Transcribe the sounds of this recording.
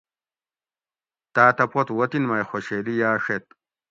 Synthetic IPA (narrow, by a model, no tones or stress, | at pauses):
t̪aːt̪ɐpot̪wot̪inmajxoɕeːlijaːʂet̪̚